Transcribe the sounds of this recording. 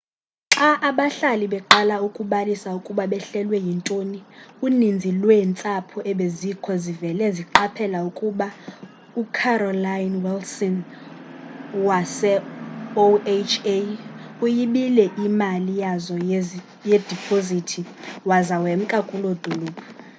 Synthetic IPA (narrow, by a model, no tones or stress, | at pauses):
ǁaʔaɓaɬaliɓɛǃalaukʼuɓalisaukʼuɓaɓɛɬɛlwɛjintʼoniunind͡zʱilwɛnt͡sʼapʰɔɛɓezikʰɔzivɛlɛziǃapʰɛlaukʼuɓa | ukʰarɔlajnwɛlsɔn | wasɛoet͡ʃʰeujiɓilɛʔimalijazɔ | jed̥ʱipʰozitʰiwazawem̩kʼakʼulod̪̥ʱuluːpʰʼa